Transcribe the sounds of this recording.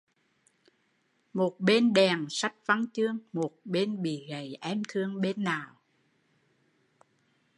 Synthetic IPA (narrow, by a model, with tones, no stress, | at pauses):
mo˨˩t̚ɓe˧nɗɛ˨˩ŋsa˦˥t̚va˧ŋt͡ɕɨ˧əŋmo˨˩t̚ɓe˧nɓḭ˧˨ɣə˨˩jʔɛ˧˥mt̪ʰɨ˧əŋɓe˧nːaː˨˩w